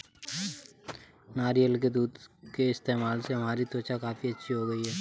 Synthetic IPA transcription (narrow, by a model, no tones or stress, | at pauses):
naːɾijəlk̬ed̪uːd̪keɪst̪eːmaːlseɦɐm̤aːɾit̪oːt͡ʃakaːfiɐtːʃʰiɦoɡəiɦɛː